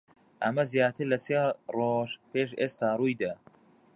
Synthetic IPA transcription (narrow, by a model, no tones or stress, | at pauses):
ʔɐmɐzjaːt̪ʰɨɾlɐsjaːroʃpeːʃ̬eːst̪aːruːjd̪ɐ